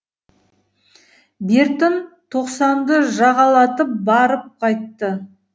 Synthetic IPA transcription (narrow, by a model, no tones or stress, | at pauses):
beɾt̪ont̪ʰo̞qsɑnd̪əʒɑʁɑlˠɑt̪əp̚bɑɾəp̚qʰɑjt̪ːə